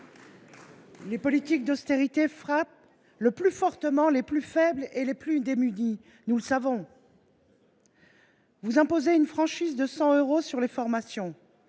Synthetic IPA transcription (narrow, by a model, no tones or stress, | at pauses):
lepɔlit̪ik̚d̪ɔst̪eʁit̪efχap̚ | ləplyfɔʁt̪əmɑ̃leplyfɛbleleplyd̪emyd̪i | nuləsavɔ̃ | vuzɛ̃pozeynfχɑ̃ʃizd̪əsɑ̃øʁosyʁlefɔʁmasjɔ̃